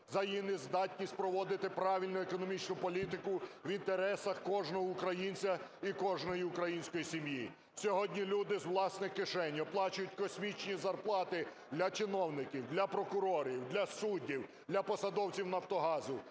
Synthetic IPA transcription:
zɐjjinɪzd̪ɑtʲnʲisʲtʲpɾɔʋɔd̪ɪt̪ɪpɾɑʋʲilʲnʊekɔnɔmʲit͡ʃnʊpɔlʲit̪ɪkʊʋint̪eɾɛsɐxkɔʒnɔɦɔʊkɾɐjinʲt͡sʲɐikɔʒnɔjiʊkɾɐjinʲsʲkɔjisʲimji | sʲɔɦɔdʲnʲilʲud̪ɪzwlˠɑsnɪxkɪʃɛnʲːɔplˠɑt͡ʃʊjʊtʲkɔsʲmʲit͡ʃnʲizɐrplˠɑt̪ɪ | d̪lʲɐt͡ʃɪnɔwnɪkʲiwd̪lʲɐpɾɔkʊɾɔɾʲiwd̪lʲɐsudʲːiw | d̪lʲɐpɔsɐd̪ɔwt͡sʲiwnɐwt̪ɔɦɑzʊ

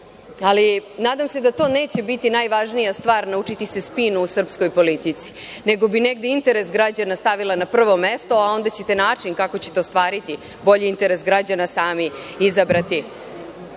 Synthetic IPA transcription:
alinaːd̪amse̞d̪at̪o̞ːne̞ːt͡ɕe̞bit̪inajʋaʒnijast̪ʋaːɾnaut͡ʂit̪ise̞spinuusr̩psko̞jpo̞lit̪it̪si̥ | neɡo̞bine̞ɡd̪eint̪e̞ɾe̞sɡɾad͡ʑanast̪aʋilˠanapr̩ʋo̞mest̪o̞ao̞nd̪at͡ɕe̞t̪e̞naːt͡ʂinkako̞t͡ɕet̪eost̪ʋaːɾit̪i | bo̞ʎiint̪e̞ɾe̞sɡɾad͡ʑanasaːmi | izabɾat̪i

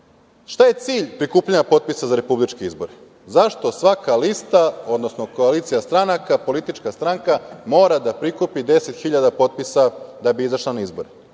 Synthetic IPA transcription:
ʃt̪aje̞t̪siːʎpɾikuːpʎaɲapo̞t̪̚pisazaɾe̞publit͡ʃkiizboɾe | zaʃt̪o̞sʋakalist̪ao̞d̪nosno̞ko̞aliːt̪sijast̪ɾanakapo̞lit̪it͡ʃkast̪ɾaŋkamo̞ːɾad̪apɾikupid̪e̞set̪xiʎad̪apo̞t̪̚pisad̪abiizaʃlˠanaizbo̞ɾe

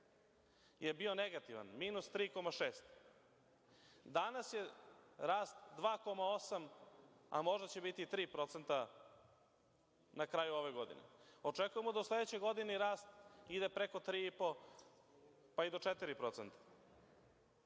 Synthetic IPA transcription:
je̞bio̞neɡat̪iʋa̰nmiːnust̪ɾiːko̞maʃeːst̪ | d̪anasje̞ɾaːst̪d̪ʋaːko̞mao̞sama̰mo̞ʒd̪at͡ɕe̞bit̪it̪ɾiːpɾo̞t̪sent̪a | nakɾaːjuo̞ʋeɡo̞d̪ḭnḛo̞t͡ʂekuje̞mod̪auslˠe̞d̪et͡ɕojɡo̞d̪iniɾaːst̪id̪e̞pɾekot̪ɾiːipo̞ | paid̪ot͡ʂet̪iɾipɾo̞t̪sent̪ḁ

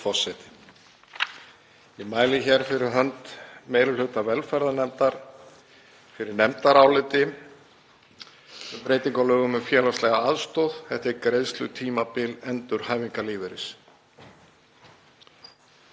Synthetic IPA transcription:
fɔ̥sːɛjt̪ɪ̥ | imaːjlɪçɛɾ̥fɪɾɪɾ̥ɦœnt̪mejɾɪlhʏht̪avɛlfɛɾðanɛmt̪aɾ̥ | fɪɾɪɾnɛmt̪aɾaːwlɪt̪ɪ | ʏpɾeːjt̪iŋkalœːɣʏmɛfjɛːlast̪lɛɣaaðst̪owðθɛht̪ɪɾkɾejðst̪lʏt̪ʰiːmapɪlɛnt̪ʏɾ̥hajviŋkaliːvɪɾɪ̰s

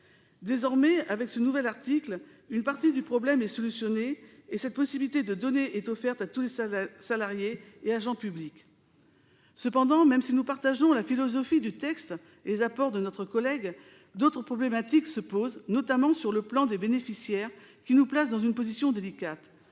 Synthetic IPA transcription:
d̪ezɔʁmɛavɛksənuvɛlaʁt̪ikl | ynpaʁt̪id̪ypχɔblɛmɛsɔlysjɔneesɛt̪̚pɔsibilit̪ed̪əd̪ɔneʔɛt̪ɔfɛʁt̪at̪ulesalaʁjeːaʒɑ̃pyblik | səpɑ̃d̪ɑ̃mɛmsinupaʁt̪aʒɔ̃lafilɔzɔfid̪yt̪ɛkst̪ | lezapɔʁd̪ənɔt̪χəkɔlɛɡ | d̪ot̪χəpχɔblemat̪iksəpoznɔt̪amɑ̃syʁləplɑ̃d̪ebenefisjɛʁkʲinuplas̬d̪ɑ̃zynpozisjɔ̃d̪elikat̪

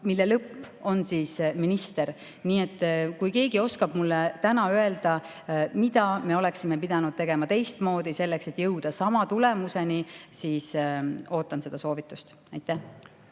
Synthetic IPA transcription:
milːelɤpːo̞nsiːsminist̪e̞ɾ | niːet̪ːˑkujke̞ːɡio̞skɑb̥mulːet̪ænɑye̞ld̪̥ɑ | mid̪̥ɑme̞o̞le̞ksime̞pid̪̥ɑnud̪̥̚t̪e̞ɡ̥e̞mɑt̪e̞jst̪mo̞ːd̪̥ise̞lːekse̞t̪ːˑjɤwd̪̥ɑsɑmɑt̪ule̞muse̞nisiːso̞ːt̪ːˑɑnse̞d̪̥ɑso̞ːvit̪ːˑust̪ | ɑjt̪ːˑæh

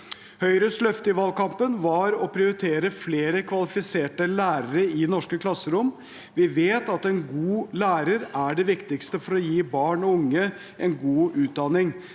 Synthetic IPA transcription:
hœʏɾəslœft̪əɪʋɑlkɑmpənʋɑɾɔpʰɾɪʊɾɪt̪ʰeːɾəfleːɾəkʰʋɑlɪfɪseːʈəlæːɾəɾəɪnɔʂkəkʰlɑsːəɾʊm | ʋɪʋeːt̪ɑt̪ɛnɡuːlæːɾəɾæɖɛʋɪkt̪ɪkst̪əfɔɾɔjiːbɑːɳɔʊŋːə | ʔɛnɡuːʔʉːt̪̚d̪ɑnɪŋ

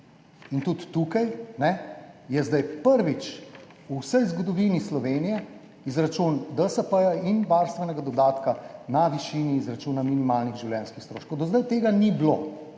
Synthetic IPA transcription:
int̪ut̪ːukajnɛjɛzd̪ajpəɾʋit͡ʃ | uwsəjzɡɔd̪ɔʋiːnislɔʋeːnijɛ | izɾat͡ʃund̪əsəpəjainʋaɾst̪ʋɛnɛɡad̪ɔd̪aːt̪kanaʋiʃiːniːzɾat͡ʃuːnaminimaːlniɣʒiwljɛnskixst̪ɾoːʃkowd̪ɔzd̪ajt̪eːɡaniblo

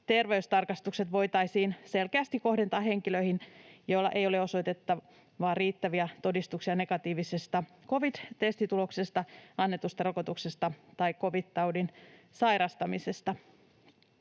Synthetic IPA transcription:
t̪erʋeyst̪ɑrkɑst̪ukse̞t̪ʋo̞jt̪ɑisiːnse̞lkeæst̪ikko̞hde̞nt̪ɑːhe̞ŋkiløihinjoilːɑ̰ʔe̞joleo̞so̞jt̪et̪ːɑ | ʋɑːrriːt̪ːæʋiæt̪o̞dist̪uksiɑne̞ɡɑt̪iːʋisest̪ɑko̞ʋid̪t̪est̪it̪ulo̞ksest̪ɑɑnːe̞t̪ust̪ɑrɑkot̪uksest̪ɑt̪ɑikːo̞ʋidt̪ɑwdin | sɑjɾɑst̪ɑmise̞st̪ɑ

